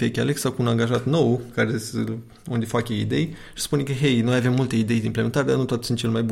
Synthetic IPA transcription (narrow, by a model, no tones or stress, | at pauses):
fekʲaleksakuːnaŋɡaʒat̪no̞wkaɾesə | und̪ʲefakʲeid̪e̞jʃi̥spunekəɦejnumajave̞mːult̪eid̪e̞jd̪eimplemet̪aɾed̪arnut̪wat̪sunt͡ʃelmajbu